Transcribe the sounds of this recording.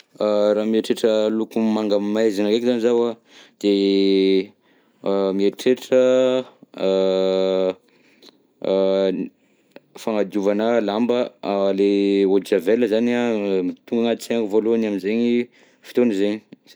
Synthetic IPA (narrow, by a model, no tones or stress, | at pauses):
əraːmieʈ͡ʂeʈ͡ʂəlukumaŋɡammajzinaɡekzanizawa | d̪̥e | mieʈ͡ʂeʈ͡ʂə | faŋad̪iuvanəlambəaleod͡ʒaveləzaniamit̪uŋɡaŋat̪t͡seŋɡuvolonaminzeɲi | fi̥t̪onizeɲi